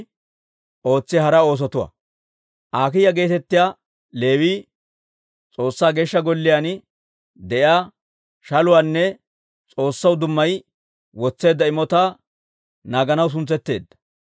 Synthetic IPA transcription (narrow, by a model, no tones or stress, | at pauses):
ʔo̞ːt͡sːɪɦɐɾɐo̞ːs̬ɔt̪ʊwa̰ | ʔaːkɪjɐɡe̞ːt̪ɛt̪ːɪjaː | le̞ːwiː | t͡sʼo̞ːsːaːɡeːʃːɐɡɔlːɪjaːn | d̪ɛʔɪaː | ʃɐlʊwaːnːɛ | t͡sʼo̞ːsːɐwd̪ʊmːɐj | wɔt͡sːe̞ːd̪ːɐɪmɔt̪aː | naːɡɐnɐws̬ʊnt͡sːɛt̪ːe̞ːd̪ːɐ̥